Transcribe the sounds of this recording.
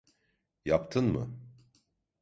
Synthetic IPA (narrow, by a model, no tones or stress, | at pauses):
japt̪ʰɯnmɯ̰